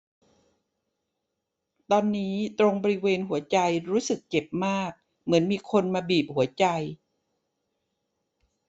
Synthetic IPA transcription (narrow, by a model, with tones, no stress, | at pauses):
t̪ɔː˧nːiː˦˥t̪ɾo˧ŋbɔː˧ɾi˦˥weː˧nɦu˨˩˦ɐt͡ɕa˧jɾuː˦˥sɯ˨˩k̚t͡ɕe˨˩p̚maː˥˩k̚ | mɯ˩˦ənmiː˧kʰo˧nmaː˧biː˨˩p̚hu˩˦ɐt͡ɕa˧j